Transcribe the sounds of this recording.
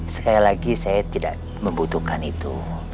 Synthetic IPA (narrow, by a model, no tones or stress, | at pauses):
sə̥kalilaɡisajat̪ida̰ʔ | məmbut̪ukanit̪ṵ